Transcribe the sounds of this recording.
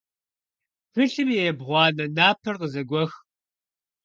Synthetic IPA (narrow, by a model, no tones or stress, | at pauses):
pɨɬɨmjɛjɛbʁʷɑːnɐnaːpʰɐrqəzɐɡʷɔx